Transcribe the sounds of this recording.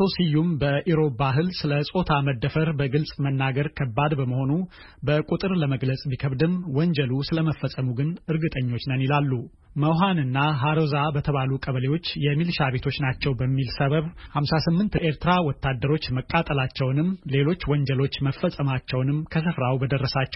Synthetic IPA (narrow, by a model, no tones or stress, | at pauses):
osijumbəʔiɾo̞baɦɨlsɨləsʼo̞t̪ʰaməd̪ːəfəɾbəɡɨlsʼmənːaɡəɾkʰəbːad̪bəməho̞nu | bəkʼut̪ʼɨɾləməɡləsʼbikʰəβd̪ɨmwɔɲd͡ʒəlusɨləməfːəsʼəmuɡɨnɨɾɡɨt̪ʼəɲːo̞t͡ʃːnənilalːu | məwɦanɨnːaɦaɾozabət̪ʰəβalukʼəβəlewo̞t͡ʃːjɛmilʃaβe̞t̪ʰo̞t͡ʃːnat͡ʃːɛwbəmːilsəβəβhamsasɨmːɨnt̪ʔeɾt̪ɾawɔt̪ːad̪ːəɾo̞t͡ʃːməkʼːat̪ʼəlat͡ʃːɛwnɨmle̞lo̞t͡ʃːwɔɲd͡ʒəlo̞t͡ʃːməfːəsʼəmat͡ʃːɛwnɨmkʰəs̬ɨfɾawbəd̪ərːəsat͡ʃːɛ̥w